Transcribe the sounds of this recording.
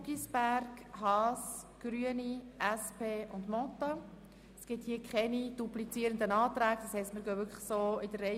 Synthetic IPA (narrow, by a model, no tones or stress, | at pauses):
ɡisb̥æɾɡhɑːs | ɡ̥ɾyəniʔæspʰeːʔʊndmɔt̪o | sɡ̥ɪthiːəkχɛnid̥ublit͡siːəɾənd̪ənɑːt̪ɾæːɡ̥̚d̥̪ɑshɛɪstməɾɡœːʋʏkʰlə̥soːɪd̥ərɛ